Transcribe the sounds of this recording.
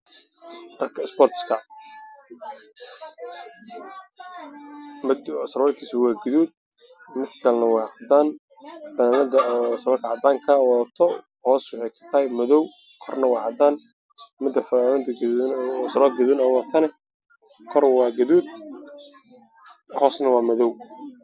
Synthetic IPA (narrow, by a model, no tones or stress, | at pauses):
d̥ɐrkʰɐɪspɔrt̪skʰɐ | mɪd̪sɐɾɔːɾt̪ʰiːsɪwɑːɡɐðuːd̪̚ | mɪd̪kʰɐlnɐwɑːʕɑd̪aːn | fɐamɐd̪ɐsɐlɔkʰɐʕɑd̪aːŋkʰɐwɔt̪ʰɔ | hɔːswʊħɑjkʰɐ̥t̪ʰɐːjmɐðɔw | kʰɔrnɐwɑːʕɑd̪aːn | mɪd̪ɐfɐmɐt̪ɡsɐlɔːd̪̚ɡɐðuːnɔwɔt̪ʰɐnɛ | kʰɔrwɑːɡɐðuːd̪̚ | hɔːsnɐwɑːmɐðɔw